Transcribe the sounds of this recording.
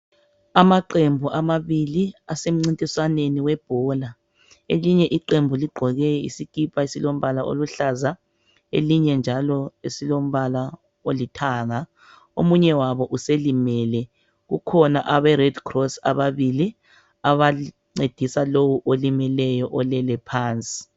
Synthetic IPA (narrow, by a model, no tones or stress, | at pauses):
amaǃembʱuʔamaβiliasem̩ŋ͡ǀintʼiswaneniwɛb̥ʱɔːla | eliɲɛʔiǃembʱuliɡ͡ǃʱɔɣɛḭsikʼipʰʼaisilom̩βalaʔo̰luɬaza | ḛliɲɛnd͡ʒʱalɔesilom̩βala | olitʰaŋa | omuɲɛwaβɔʔuselimɛːlɛ | ɣukʰɔnaʔaβɛrɛdkʰrɔsa̰βaβili | aβa | ŋ͡ǀed̥ʱisalowuʔolimɛlɛjɔʔɔlɛlɛpʰaːnt͡sʼi̥